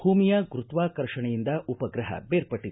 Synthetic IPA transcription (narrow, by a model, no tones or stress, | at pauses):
bʱuːmijɐɡɾut̪ʋaːkɐɾʂɐɳɐjind̪ɐʔupɐɡɾɐɦɐ̰beːɾpɐʈːi